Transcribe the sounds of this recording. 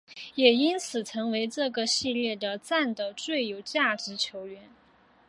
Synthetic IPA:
jɛ˨˩i˥nt͡sʰɹ̩˨˩t͡sʰɤ˧˥ŋwe˧˥ɪʈ͡ʂɤ˥˩ɡə˩ɕi˥˧ljɛ˥˩d̪ə˩t͡sa˥˩nd̪ə˩t͡swe˥˩ɪjo˨˩ʊt͡ɕja˥˩ʈ͡ʂɻ̩˧˥t͡ɕʰjo˧˥ʊɥɛ˧˥n

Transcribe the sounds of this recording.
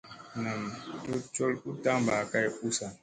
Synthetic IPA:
na˨m˨tu˦t͡ʃo˦lu˦ta˦m˦ba˨ka˦ju˦sa˨

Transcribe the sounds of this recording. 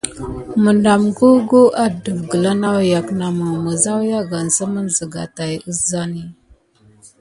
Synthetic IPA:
mə˨nda˨mɡu˦ɡu˦ʔa˦də˨vɡə˨la˦na˦wja˨kna˨mə˨mə˨za˦wja˦ɡa˨nsə˦mə˦nzə˨ɡa̰˨ta˨jə˦sza˦ni˦

